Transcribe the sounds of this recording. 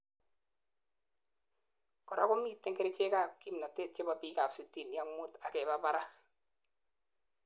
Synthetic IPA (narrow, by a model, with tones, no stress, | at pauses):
kɔ˨ɾa̰˦ko˦mi˦tːe˦ŋke˦ɾe˦t͡ʃe˦ka˦˨kːi˦mna˨te˦˨t̚t͡ʃe˦ba˨bi˦ka˨fsi˨tːi˨nja˦ŋːu˦ta˨kɛ˨ba˦ba˦ɾa˦